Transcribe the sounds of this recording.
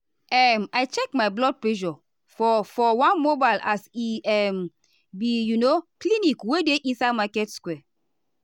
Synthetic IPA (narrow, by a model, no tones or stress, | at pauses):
ɛmajt͡ʃɛkmajblɔd̚plɛʒɔ | fɔfɔwãnmobaɪlasiɛm | bijunoklinikwedeʔĩnsamakɛtskwɛ